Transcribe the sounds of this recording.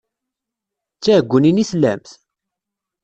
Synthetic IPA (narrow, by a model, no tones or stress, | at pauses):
t͡sːæəɡʷːəninislæmθ